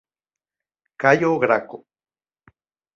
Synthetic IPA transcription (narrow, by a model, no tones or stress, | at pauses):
kajoɡɾako